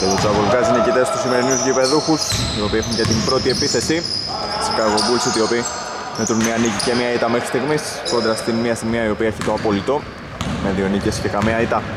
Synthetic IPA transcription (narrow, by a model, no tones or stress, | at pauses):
cet̪ot͡sɐvolɣɐzinecit̪est̪usime̞ɾinuzʝipeðuxusio̞piexuɲcet̪imbɾo̞t̪ie̞piθe̞si | i̥skɐɾɣo̞bulsit̪io̞pi | met̪unmiɐnicice̞mɲɐit̪ɐmexɾist̪iɣmis | kod̪ɾɐst̪inmiɐsimiɐio̞piɐeçit̪oɐpo̞lit̪o̞ | me̞ðio̞nicesce̞kɐmiɐit̪ɐ